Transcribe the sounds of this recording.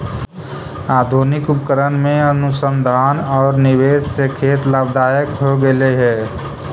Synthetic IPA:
aːd̪ʱonɪkupkəɾənmẽənʊsənd̪ʱaːnɔːɾniweːsːekʰeːt̪laːb̚d̪aːjəkɦoɡeleɦɛː

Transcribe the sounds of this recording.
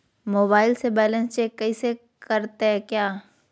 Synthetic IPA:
moːbaːɪlsebɛːlə̃nst͡ʃeːkːɐise | kɐɾt̪eɦɛkjaː

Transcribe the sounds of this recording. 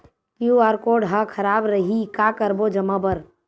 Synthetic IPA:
kjuaːɾkoːɖɦakʰɐɾaːbɾɐɦikaːkəɾboːd͡ʒɐmabəɾ

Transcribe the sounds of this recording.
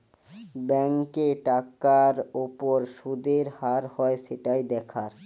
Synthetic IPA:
bɛŋkeʈakaɾopoɾʃud̪eɾhaɾhɔeʃeʈajd̪ɛkʰaɾ

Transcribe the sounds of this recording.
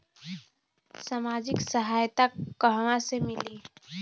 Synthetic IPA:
saːmaːd͡ʒɪksəɦaːjt̪akəɦʋãsemɪliː

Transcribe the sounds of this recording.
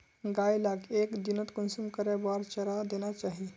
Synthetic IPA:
ɡajlaɡekd̪inət̪kənsumkəɾjabaɾt͡ʃəɾad̪enat͡ʃaɦi

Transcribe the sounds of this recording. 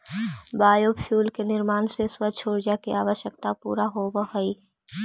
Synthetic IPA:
baːjoːbfʰjuːlkenɪɾmaːnseswəʃʰoːɾd͡ʒakiaːʋəʃjək̚t̪apṵːɾaɦoːbəɦoiː

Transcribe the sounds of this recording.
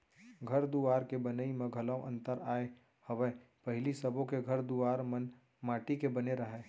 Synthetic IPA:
ɡʱɐɾd̪uaːɾkebɐnəimẽɡʱɐlə̃wʔɐ̰̃nt̪əɾaːe | hɐʋəpɐɦɪlisɐbõkeɡʱɐɾd̪uaːɾmən | maːʈikebɐneɾɐɦɛː

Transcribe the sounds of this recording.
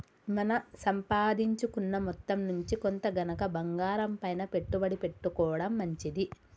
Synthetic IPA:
mɐnɐsɐmpaːd̪iɲt͡ʃukunːɐmɔt̪ːɐmnuɲt͡ʃikont̪ɐɡɐnɐkɐbɐŋɡaːɾɐmpɐjnɐpe̞ʈːubɐɽipe̞ʈːukɔːɐɽɐmːɐɲt͡ʃid̪i

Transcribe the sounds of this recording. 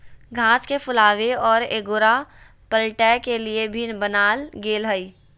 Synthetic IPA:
ɡʱãːskepʰʊlaːʋeɔːɾeːɡoːɾa | pəlʈɛːkeliebʱinbənaːlɡeːlɦəiː

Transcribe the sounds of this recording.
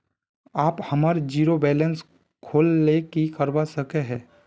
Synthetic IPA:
aːphɐmaːɾd͡ʒiːɾobɛːləns | kʰoːlːekikəɾwasəkeɦɛː

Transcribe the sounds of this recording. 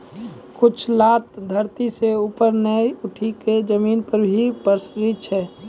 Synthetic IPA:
kʊt͡ʃʰlaːt̪d̪ʱəɾt̪iseupəɾnəiʊʈʰiked͡ʒəmiːnpəɾbʱipəɾsɾit̪t͡ʃʰɛ

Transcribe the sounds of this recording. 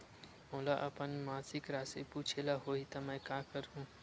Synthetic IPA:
moːlaʔɐpənmãːsɪkɾaːsepuːt͡ʃʰelaɦoːit̪ɐmɛ̃ːkaːkəɾɦũ

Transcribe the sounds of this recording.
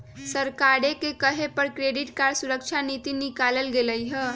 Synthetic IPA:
səɾkaɽekekəɦepəɾkɾeɖiʈkaɾsuɾəkt͡ʃʰanit̪inikaləlɡeləjɦə

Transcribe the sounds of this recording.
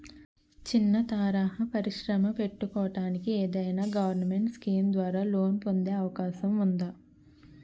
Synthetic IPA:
t͡ʃinːɐt̪aːɾaːɦɐpɐɾiʃɾɐmɐpe̞ʈːukɔːɐʈaːnikieːd̪ɐjnaːɡɐʋɐɾnɐme̞ɳʈskiːmd̪ʋaːɾaːlo̞ːnpo̞nd̪e̞ːɐʋɐkaːʃɐmund̪aː

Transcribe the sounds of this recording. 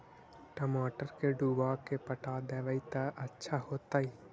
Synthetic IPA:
ʈɐmaːʈəɾkeɖuːbaːkepəʈaːd̪ɛːʋəit̪aʔɐtːʃʰaɦoːt̪aːiː

